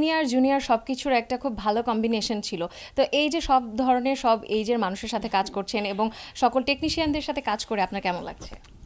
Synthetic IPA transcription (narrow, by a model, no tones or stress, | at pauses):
niaɾd͡ʑuniaɾʃɔb̚kit͡ɕʰuɾɛk̚ʈakʰubːʱalokɔmbineʃont͡ɕʰilo | t̪oʔejd͡ʑeʃɔbd̪ʱɔɾoneɾʃɔbejd͡ʑeɾmanuʃeɾʃat̪ʰekad͡ʑkoɾt͡ɕʰeneboŋʃɔkolʈekniʃiand̪eɾʃat̪ʰekad͡ʑkoɾeapnaɾkɛmonla̰ɡ̚t͡ɕʰḛ